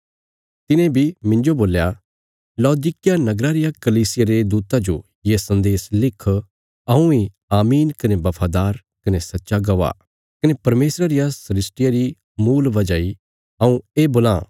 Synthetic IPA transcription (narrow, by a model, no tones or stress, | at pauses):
t̪ɪnẽbʱimɪ̃nd͡ʒoboːlja | lɔːd̪iːkɪjanɐɡɾaɾɪjakɐliːsɪjaɾed̪uːt̪ad͡ʒo̰ | jesɐ̃nd̪eːslɪkʰː | ɐũi | aːmiːnkɐnebɐpʰaːd̪aːɾ | kɐnesɐtːʃaɡɐʋa̰ | kɐnepɐɾmeːsɾaɾɪjasɐɾɪsʈɪjaɾi | muːlʋɐd͡ʒaːi | ɐũeːboːlã̰ː